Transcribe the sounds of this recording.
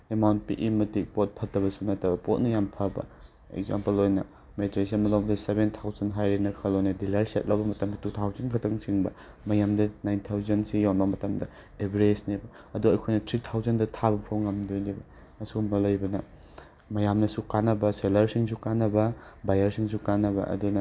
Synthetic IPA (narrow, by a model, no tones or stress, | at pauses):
emawnt̚pḭʔimɐtik̚pot̚pʰɐtɐbɐsunɐtːɐbɐpot̚nɐjampʰɐbɐ̰ | ḛkza̰mpɐlojnɐ | metɾes̬inmɐlowbɐdɐsebentʰawzɐnɦajɾenɐkʰɐlojnɐdilɐɾset̚lɐwbɐmɐtɐmdɐtutʰawzɐnkʰɐtʰɐŋsiŋbɐ | mɐjamdɐnajntʰawzɐnsijawnbɐmɐtɐmdɐ | ebɾesnebɐ | ɐduɐjkʰojnɐtʰɾitʰawzɐndɐtʰabɐpʰowŋːɐmdojnebɐ | ɐsumɐlɐjbɐnɐ | mɐjamnɐsukanːɐbɐselɐɾsiŋsukanːɐbɐbajɐɾsiŋsukanːɐbɐ̰ʔɐ̰dunɐ